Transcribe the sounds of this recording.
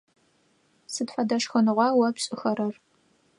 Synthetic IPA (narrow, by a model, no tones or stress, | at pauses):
sɨtħʷɐdɐʂxɐnɨʁʷɑːwɐpɕʼɪxɐɾɐr